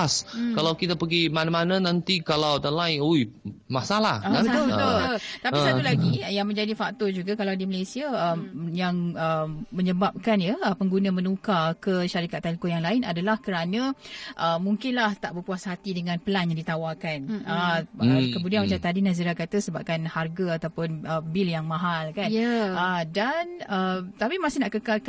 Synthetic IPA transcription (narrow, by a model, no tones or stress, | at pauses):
skalawkit̪apəɡimanamanãnãnt̪ikalawdanlaɪnojmasalahabəət̪olt̪apisat̪ulaɡijaŋmə̃ɲd͡ʒadifak̚t̪ɔd͡ʒuɡakalawdiməlajsiaəmjaŋəməɲəbap̚kanjəəpəŋɡunamənukakəʃaɾikat̪ːɛlkojaŋlaɪnadalahkəɾanãʔəmuŋkɪnlaht̪aʔbəkuasaɦat̪idəŋãnpəlanjaŋdit̪awakanə | kəmudianmə̃t͡ʃait̪ːadinas̬iɾakat̪asəbap̚kanharɡaat̪awpʊnəbɪljaŋmãɦalkanədanət̪apimasɪhnaʔkəkalk